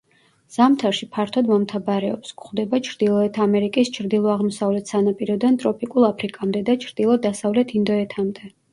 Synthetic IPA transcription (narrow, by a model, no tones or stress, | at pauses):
z̥amt̪ʰaɾʃipʰaɾt̪ʰɔd̪mɔmt̪ʰabaɾɛɔpskχd̪ɛbat͡ʃʰɾd̪ilˠɔɛt̪ʰamɛɾikʼist͡ʃʰɾd̪ilˠɔaʁmɔsavlɛt̪ʰsanapʼiɾɔd̪ant̪ʼɾɔpʰikʼulˠapʰɾikʼamd̪ɛd̪at͡ʃʰɾd̪̥ilˠɔd̪asavlɛt̪ʰind̪ɔɛt̪ʰamd̪ɛ